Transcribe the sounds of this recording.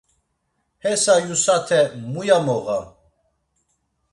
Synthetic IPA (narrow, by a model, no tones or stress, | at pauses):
hɛsajusat̪ʰɛmujamɔɣa